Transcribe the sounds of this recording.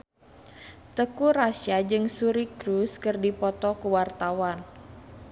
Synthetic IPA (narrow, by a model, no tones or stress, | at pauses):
t̪əkurasjad͡ʒɨŋsuɾikɾuskɨrdipɔt̪ɔkəwart̪awan